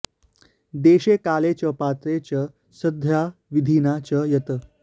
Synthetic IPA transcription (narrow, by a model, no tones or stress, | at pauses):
d̪eːɕekalet͡ɕəpat̪ɾet͡ɕə | səd̪ʱjaʋid̪ʱiːnat͡ɕəjɐt̪ə